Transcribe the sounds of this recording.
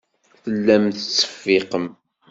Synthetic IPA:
θəlːæmθət͡sːə̥fːɪqəm

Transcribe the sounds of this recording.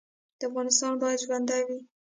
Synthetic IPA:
d̪̥əafɣɑnɪst̪ɑnbɑjad̪ʒwand̪awi

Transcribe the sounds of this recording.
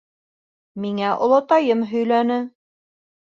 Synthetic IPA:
miŋæʔŏ̰lˠɑt̪ɑjɤmɦɵ̆jlænɘ

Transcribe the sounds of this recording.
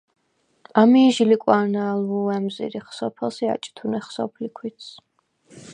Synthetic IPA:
amiːʒilikʼwanaluɛmzḭɾiχsɔpʰɛlˠsia̰t͡ʃʼi̥t̪ʰunɛχsɔpʰlikʰwit̪sʰ

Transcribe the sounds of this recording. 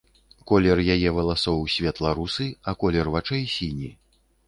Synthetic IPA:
kɔlʲɛrjajɛvɐlˠasɔwsʲvʲɛt̪lˠɐɾusɨɐkɔlʲɛrvat͡ʂɛjsʲinʲi

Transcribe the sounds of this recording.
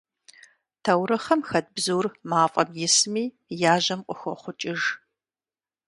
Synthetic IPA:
tʰɐwɾɐχɐmxɐd̚bzuːrmaːfʼɐmjɪsmiː | jaːʑɐmqʷʼʊxʷɔχʷʊt͡ʃʼɪʒ

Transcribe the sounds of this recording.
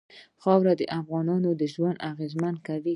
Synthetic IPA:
xɑwɾad̪əʔafɣɑnɑnod̪əʒwand̪aɣezmankawi

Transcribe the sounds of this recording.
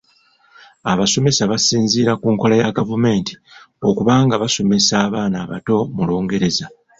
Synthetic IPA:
aβaso̞me̞saβasiːnziːɾakuːŋko̞lajaɡavume̞ːnti̥ | o̞kuβaːŋɡaβaso̞me̞saːβaːnaːβa̰to̞mulo̞ːŋɡe̞ɾe̞za

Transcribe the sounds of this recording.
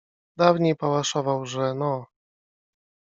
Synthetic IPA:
d̪avɲejpawaʂɔvawʐɛnɔ

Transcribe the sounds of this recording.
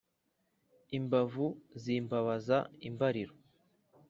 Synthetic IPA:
imbavuziːmbaβazaimbaɾiɾo

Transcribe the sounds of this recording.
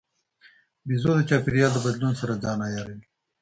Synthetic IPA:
bizod̪ət͡ʃɑːpiɾijɑːld̪əbad̪lunsaɾad͡zɑːnajɑɾe

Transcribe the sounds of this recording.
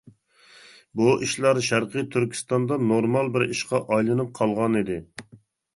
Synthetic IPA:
buʔiʃlˠɑɾʃæɾqɨjt̪ʰyɾkʲʰi̥st̪ɑnd̪ɑnoɾmɑlˠbɪɾiʃqɑʔɑjlˠɨnɨp̚qʰɑlˠʁɑnid̪ɪ

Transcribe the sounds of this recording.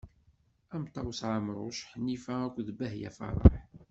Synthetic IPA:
æmt̪ˤːɑwsʕamɾˤʊ̰ʃħənːifæækʷːðəbæhjæ̰fɑ̰ɾˤɑ̰ħ

